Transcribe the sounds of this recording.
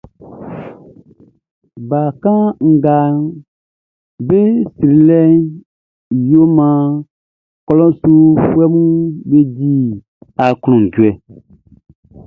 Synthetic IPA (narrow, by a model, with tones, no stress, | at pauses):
ba˨kã˦ŋ̩˨ɡa˨ | be˦sɾi˨lɛ˦ | jo˦mã˨ | kɔ˦lɔ̃˦su˦fu˦ɛ˦mũ˦be˦di˦ | a˨kl̃ɔ̃˨ŋ˨ɟu˨ɛ˨